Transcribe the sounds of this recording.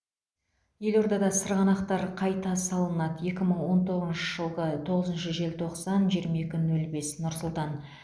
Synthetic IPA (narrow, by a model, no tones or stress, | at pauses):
je̞lo̞ɾd̪ɑd̪ɑsəɾʁɑnɑqt̪ɑɾqʰɑjt̪ɑsɑlˠənɑd̪əje̞kʲɪməɴwo̞nt̪ʰo̞ʁəznʃəʒəlˠʁət̪ʰo̞ʁəzənʃəʒe̞lt̪ʰo̞qsɑnʒijəɾmɑe̞kʲɪnɵlbe̞snʊɾsʊlˠt̪ɑn